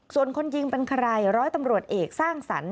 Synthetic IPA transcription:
su˨˩ənkʰo˧njɯ˧ŋpe˧nkʰa˧ɾa˧jɾɔː˦˥jt̪a˧mɾu˨˩ət̪̚ʔeː˨˩k̚saː˥˩ŋsa̰˩˦n

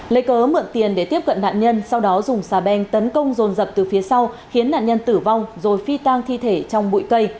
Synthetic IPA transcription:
lə˨˦jkəː˨˦mɨ̰˧˨ənt̪i˨˩ənɗe˧˩t̪i˦˥əp̚kə̰˧˨nːa̰ː˧˨nɲə˧nsa˧wɗɔ˨˦zʊ˨˩ŋ͡msaː˧˩ɓɛ˧ŋt̪ə˨˦nkə˧wŋ͡mzo˨˩nzə˨˩p̚t̪ɨ˨˩fi˨˦əsa˧w | xi˨˦ənːa̰ː˧˨nɲə˧nt̪ɨ˧˩va˧wŋ͡mzo˨˩jfi˧t̪aː˧ŋt̪ʰi˧t̪ʰe˧˩t͡ɕɔ˧wŋ͡mɓṵ˧˨jkə˧j

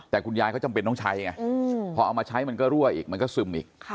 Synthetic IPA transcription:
t̪ɛː˨˩kʰu˧njaː˧kʰɔ˥˩t͡ɕa˧mpe˧nːɔ˥˩ŋt͡ɕʰa˦˥jŋa˧˩ɯ˧ɔː˧ʔa˧wmaː˧t͡ɕʰa˦˥jma˧nkɔː˥˩ɾu˥˩ɐʔiː˨˩k̚ma˧nkɔː˥˩sɯ˧mʔiː˨˩k̚ʰ

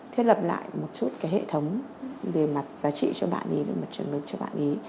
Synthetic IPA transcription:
t̪ʰe˧wlə˨˩p̚la̰ː˧˨jmo˨˩t̚su˦˥t̚kaː˨˦jhḛ˧˨t̪ʰə˨˦wŋ͡m | ve˨˩ma˨˩t̚zaː˨˦t͡ɕḭ˧˨t͡ɕɔ˧ɓa̰ː˧˨nʔi˨˦ve˨˩ma˨˩t̚t͡ɕə˨˩nlɨ˨˩k̚t͡ɕɔ˧ɓa̰ː˧˨nʔi˨˦

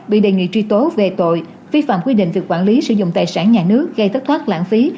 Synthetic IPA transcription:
ɓḭ˧˨ɗe˨˩ŋḭ˧˨t͡ɕwi˧t̪o˨˦ve˨˩t̪o̰˧˨j | fi˧fa̰ː˧˨mkwi˧ɗḭ̈˧˨ŋ̟vi˨˩əkwaː˧˩nli˨˦sɨ̰˧˥zʊ̰˧˨ŋ͡mt̪aː˨˩jsaː˧˩nɲaː˨˩nɨ˦˥ək̚ɣə˧jt̪ʰə˦˥t̪ʰaː˦˥t̚la̰ː˧˥nfi˨˦

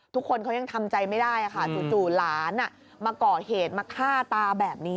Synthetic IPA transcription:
t̪ʰu˦˥kʰːo˧nkʰa˦˥ja˧ŋt̪ʰa˧mt͡ɕa˧jma˥˩jdaː˥˩jʔa˨˩kʰa˥˩su˨˩t͡ɕuː˨˩laː˩˦nʔa˧˩ | maː˧kɔː˨˩heː˨˩t̪̚maː˧kʰaː˥˩t̪aː˧bɛː˨˩p̚niː˦˥

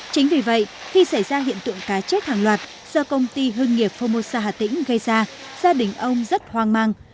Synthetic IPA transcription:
t͡ɕï˨˦ŋ̟vi˨˩və̰˧˨j | xi˧sa˧˩jzaː˧ɦḭ˧˨ənt̪ɨ̰˧˨əŋkaː˨˦t͡ɕe˦˥t̚haː˨˩ŋlwaː˨˩t̚ | z̥ɔ˧kə˧wŋ͡mt̪i˧ɦɨ˧ŋŋi˨˩əp̚fo˧mo˧saː˧ɦaː˧˩t̪ḭ̈˧˥ŋ̟ɣə˧jzaː˧ | z̥aː˧ɗï˨˩ŋ̟ʔə˧wŋ͡mzə˦˥t̚hwaː˧ŋmaː˧ŋ

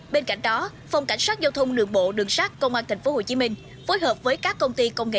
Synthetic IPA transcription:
ɓe˧nka̰˧˩˨jŋ̟ɗɔ˨˦ | fa˧wŋ͡mka˧˩jŋsaː˦˥t̚zaː˧wt̪ʰə˧wŋ͡mɗɨ˨˩əŋɓo̰˧˨ɗɨ˨˩əŋsaː˦˥k̚kə˧wŋ͡mʔaː˧t̪ʰa˨˩ŋ̟fo˨˦ho˧˩t͡ɕi˨˦mï˧ŋ̟ | fo˨˦jɦəː˨˩p̚vəː˨˦jkaː˦˥kːə˧wŋ͡mt̪i˧kə˧wŋ͡mŋḛ˧˨

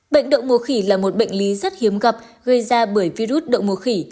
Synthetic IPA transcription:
ɓə̰˧˨jŋ̟ɗə̰˧˨wŋ͡mmu˨˧˩əxi˧˩laː˨˩mo˨˩t̚ɓə̰˧˨jŋ̟li˨˦zə˦˥t̚hi˨˦əmɣə˨˩p̚ɣə˧jzaː˧ɓəː˧˩əjvi˧zu˦˥t̚ɗə̰˧˨wŋ͡mmu˧˩xi˧˩

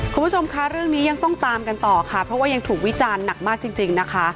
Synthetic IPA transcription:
kʰu˧mpʰu˥t͡ɕʰo˧mkʰa˦˥ɾɯ˥˩əŋniː˦˥ja˧ŋt̪ɔ˥˩ŋt̪aː˧mka˧nt̪ɔː˨˩kʰa˥˩pʰɾɔ˦˥waː˥˩ja˧ŋt̪ʰuː˨˩k̚wi˦˥t͡ɕaː˧nːa˨˩k̚maː˥˩k̚t͡ɕi˧ŋt͡ɕi˧ŋna˦˥kʰa˦˥

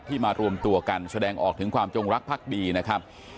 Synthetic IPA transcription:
t̪ʰiː˥˩maː˧ɾu˧əmt̪u˧ɐka˧nsa˧dɛː˧ŋʔɔː˨˩k̚t̪ʰɯ˨˩˦ŋkʰwaː˧mt͡ɕo˧ŋɾa˦˥k̚pʰaː˥˩k̚diː˧na˦˥kʰa˦˥p̚

